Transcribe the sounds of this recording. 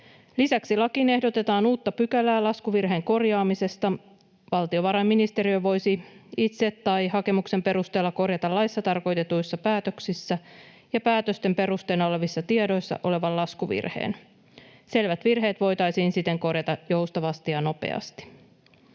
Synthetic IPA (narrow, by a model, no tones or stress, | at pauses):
lisæksilɑkine̞hdo̞t̪e̞t̪ɑːnuːt̪ːɑpykælæːlɑskuʋirɦe̞ːŋko̞rjɑːmise̞st̪ɑ | ʋɑlt̪io̞ʋɑɾɑmːinist̪eɾiøʋo̞jsiit̪se̞t̪ːɑjhɑke̞mukse̞mpe̞ɾust̪e̞ːlːɑko̞rjɑt̪ɑlːɑjsːɑt̪ɑrko̞jt̪e̞t̪ujsːɑpæːt̪øksisːæ | jɑpæːt̪øst̪e̞mpe̞ɾust̪e̞ːnole̞ʋisːɑt̪iedo̞jsːɑ̰ʔo̞le̞ʋɑllɑskuʋḭrhḛːn | se̞lʋæt̪ʋirɦe̞ːt̪ʋo̞jt̪ɑjsiːnsit̪ːe̞ŋko̞rjɑt̪ɑjo̞wst̪ɑʋɑst̪ijɑno̞pḛɑ̰st̪i̥